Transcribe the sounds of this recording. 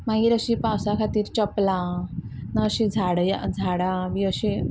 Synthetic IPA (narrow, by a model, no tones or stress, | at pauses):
mãɡiɾəɕipãwsakʰat̪iːɾt͡ɕəplã | naːɕid͡zʱaɽjad͡zʱaɽãbiəɕi